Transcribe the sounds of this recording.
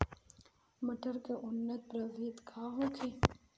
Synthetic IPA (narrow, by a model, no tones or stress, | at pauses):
mɐʈʰəɾkeʔʊnːət̪̚pɾɐʋeːt̪kʰaːɦõkʰe